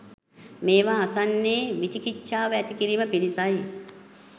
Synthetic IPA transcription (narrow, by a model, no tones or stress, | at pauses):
meːʋaːasanːeːʋit͡ʃikit͡ʃʃːaːʋəæt̪ikiɾiːməpilisaj